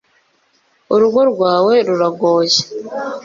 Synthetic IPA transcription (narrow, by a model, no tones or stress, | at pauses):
uɾuɡoɾɡwaːwe̞ɾuɾaɡoːze̥